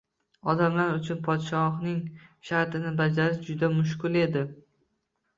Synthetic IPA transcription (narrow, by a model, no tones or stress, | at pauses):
ɒd̪amlaɾʊt͡ʃʰʊnpʰɒt̪ʃɒhnɪŋʃaɾt̪ɪnɪbad͡ʒaɾɪʃd͡ʒʊd̪amʊʃ̬kʊlˠe̞d̪ɪ